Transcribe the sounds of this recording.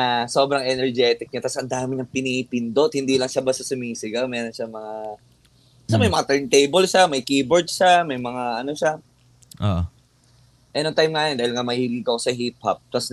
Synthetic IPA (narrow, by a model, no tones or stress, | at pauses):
aso̞bɾɐŋʔɛnɛɹd͡ʒɛːt̪ɪk̚ɲat̪asʔɐnd̪aːmɪɲɐŋpɪniʔpɪnd̪ot̪̚hɪnd̪iːlɐŋʃabɐsɐsʊmiːsɪɡamɛːɾo̞nʃamɐŋa | bɐsamɐjmɐŋat̪ɛɹnt̪ejbɛlʃamɐjkiːboɹd̪ʃamɐjmɐŋaʔɐnoʃa | ʔoʔ | ʔɛnoŋt̪ajmŋajnd̪aːhɪlŋamɐhiːlɪkɐkosɐɦip̚hɐ̰p̚t̪as